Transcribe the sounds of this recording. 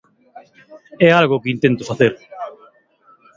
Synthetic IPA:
ɛalɣʊkɪint̪ent̪ʊfaθeɾ

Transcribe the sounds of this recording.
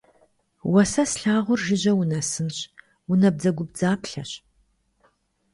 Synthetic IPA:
wɐsɐsɬaːʁʷʊrʒɪʑɐwʊnɐsɨnɕ | ʊnɐb̚d͡zɐɡʷʊb̚d͡zaːpɬɐɕ

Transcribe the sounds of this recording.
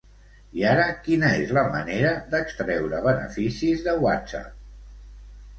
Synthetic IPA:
iaɾəkinəezləməneɾəðəkst̪ɾɛwɾəβ̞ənə̰fisizðəwa̰t̪sa̰p̚

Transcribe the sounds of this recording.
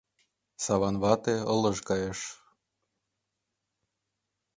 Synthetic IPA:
sɑβɑnβɑt̪eɤlɤ̆ʒkɑjeʃ

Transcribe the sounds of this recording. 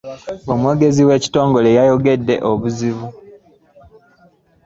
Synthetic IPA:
omweːɡe̞ziwe̞ːci̥to̞ːŋɡo̞lejajo̞ɡe̞dːe̞ʔoβuziβu

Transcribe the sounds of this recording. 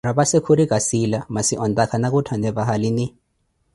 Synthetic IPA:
rabasekʰuɾikʼasilamasiʔɔndakʰanakutʰandɛβaɦalini

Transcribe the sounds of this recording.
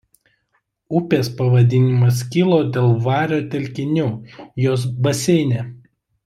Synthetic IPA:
ʊpʲeːspɐʋɐd̪ʲɪnʲɪmɐs̬kʲilˠoːd̪ʲeːlˠʋɑːɾʲoːt̪ʲɛlʲkʲɪnʲuːjoːs̬bɐsʲɛɪnʲeː

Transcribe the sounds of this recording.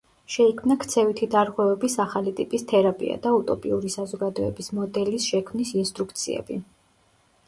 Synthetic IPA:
ʃɛikʰmnakʰt̪sʰɛvit̪ʰid̪aɾʁwɛvɛbisaχalit̪ʼipʼist̪ʰɛɾapʼḭa̰d̪aut̪ʼɔpʼiuɾisazɔɡad̪ɔɛbismɔd̪ɛlisʃɛkʰmnisinst̪ʼɾukʰt̪sʰḭɛ̰b̥i

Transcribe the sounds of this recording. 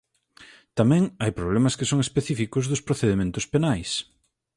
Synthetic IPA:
t̪amɛ̃ŋajpɾoβlemɐskɪsoŋespeθifikʊzðʊspɾoθeðemẽnt̪ʊspenajs

